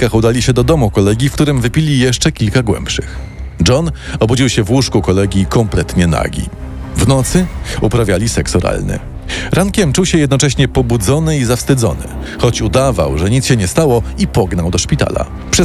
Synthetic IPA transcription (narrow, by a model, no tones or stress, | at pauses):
kaxud̪alʲiɕɛd̪ɔd̪ɔmukɔlɛɡʲifkt̪uɾɘmvɘpʲilʲijɛʂt͡ʂɛkʲilkaɡwɛ̰mpʂɘ̰x | d͡ʐɔnɔbud͡ʑiwɕɛvwuʂkukɔlɛɡʲikɔmplɛt̪ɲɛna̰ɡʲḭvnɔt̪sɘupɾavʲjalʲisɛksɔɾa̰lnɘ̰ | ɾʔaŋkʲɛmt͡ʂuwɕɛjɛd̪nɔt͡ʂɛɕɲɛpɔbud̪zɔnɘizafst̪ɘd̪zɔ̰nɘ̰ | xɔt͡ɕud̪ava̰wʐɛɲit̪sɕɛɲɛst̪awɔipɔɡnawd̪ɔʂpʲit̪a̰la̰ | pʂɛ